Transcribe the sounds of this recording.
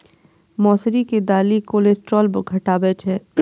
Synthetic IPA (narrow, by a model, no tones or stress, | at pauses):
mɔːsɾiked̪aːlikoːleːsʈɾɔːlbəɡʱɐʈaːbɛːt͡ʃɦɛː